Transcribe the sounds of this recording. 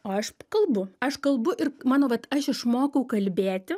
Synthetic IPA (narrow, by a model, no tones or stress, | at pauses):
oːɐʃkɐlˠbʊɐʃkɐlˠbʊʔɪrmɑːnoːʋɐt̪ɐʃɪʃmoːkɐʊkɐlʲbʲeːt̪ʲɪ